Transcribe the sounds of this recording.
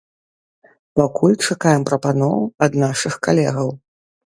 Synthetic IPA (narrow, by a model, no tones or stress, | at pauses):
pakʰulʲt͡ʂakajɛmpɾɐpanɔwɐd̪naʂɨxkalʲɛ̰ɣɐw